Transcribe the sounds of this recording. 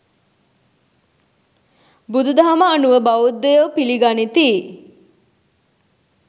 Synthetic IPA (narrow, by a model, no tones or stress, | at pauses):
bud̪ud̪aɦɐməːnuʋəbaud̪ːojopiliɡanit̪iː